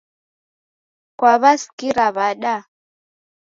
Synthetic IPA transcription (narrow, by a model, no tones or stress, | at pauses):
kwaβasi̥kiɾaβaɗa